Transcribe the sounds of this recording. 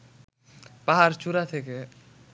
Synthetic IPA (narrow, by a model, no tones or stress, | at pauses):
paɦaɾt͡ʃuɾat̪ʰeke